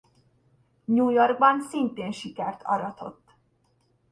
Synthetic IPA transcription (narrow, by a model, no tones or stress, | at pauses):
ɲuːjorɡ̚bɒnsint̪eːnʃikɛrt̪ʰɒ̰ɾɒt̪o̞̰t̪ː